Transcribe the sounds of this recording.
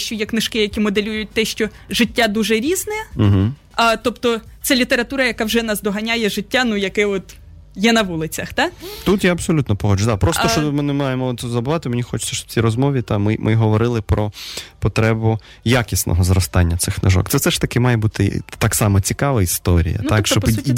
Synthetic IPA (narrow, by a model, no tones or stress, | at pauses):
ʃt͡ʃɔjɛknɪʃkɪjɐkʲimɔd̪elʲujʊt̚ʲt̪ɛʃt͡ʃɔ | ʒɪtʲːad̪uʒɛɾʲiznɛm̩ɦ̩ | ɐt̪ɔpt̪ɔt̪sɛlʲit̪eɾɐt̪uɾɐjɐkawʒɛnɑsd̪ɔɦɐnʲajɛʒɪtʲːanujɐkɛɔt̪ | jɛnɐʋulˠɪt͡sʲɐxt̪at̪ut̪jaɐb̥sɔlʲut̪nɔpɔɦɔd͡ʒʊd̪apɾɔst̪t͡ʃɔmɪnemɑjemɔzɐbʊʋɑt̪ɪmenʲixɔt͡ʃʊ̥sʲːɐʃt͡ʃɔb̥̚t͡sʲiɾɔzmɔʋʲit̪ɑmɪ̰mʔɪɦɔʋɔɾɪlˠɪpɾɔpɔt̪ɾɛbʊ | jakʲisnʔɔ̰ɦɔzɾɔst̪ɑnʲːɐt̪sɪxnɐʒɔ̰kt̪sɛfsɛʃt̪ɐkɪmɑjɛbut̪ɪ̰t̪ɑksɑmɔt͡sʲikɑʋɐist̪ɔɾʲḭjɐ̰nakɔʃt͡ʃt͡ʃɔp